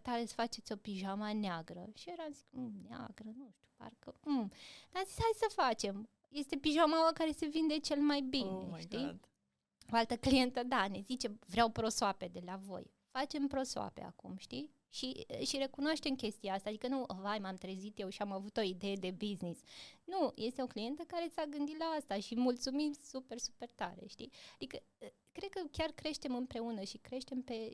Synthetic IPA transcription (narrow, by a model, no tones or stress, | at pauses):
t̪alesfat͡ʃe̞t̪sʲo̞piʒamaneaɡɾəʃieɾamzik̩ʲnea̰ɡɾənuʃt̪ju̥pa̰rkənamzitsʲhajsəfat͡ʃe̞m | je̞st̪e̞piʒamawakaɾe̞se̞vind̪e̞t͡ʃe̞lmajbineʃt̪it̪ | oalt̪əklije̞nt̪əd̪anezit͡ʃe̞vɾeawpɾo̞soape̞d̪e̞lavo̞̰j | fat͡ʃe̞mpɾo̞soa̰pḛa̰kṵmʃt̪i | ʃḭʃiɾe̞kunoaʃt̪e̞mkʲe̞st̪iaast̪aːd̪ikənuəvajmamt̪ɾezit̪je̞wʃiamavut̪o̞id̪e̞je̞d̪e̞biznisnujʔe̞st̪eo̞klije̞nt̪əkaɾe̞t̪saɡɨnd̪it̪laast̪aʃimult̪sumisupe̞rsupe̞rt̪aɾḛʃt̪iad̪ikə | kɾe̞d̪̚kəkʲarkɾe̞ʃt̪e̞mɨmpɾe̞unəʃikɾe̞ʃt̪e̞mpe̞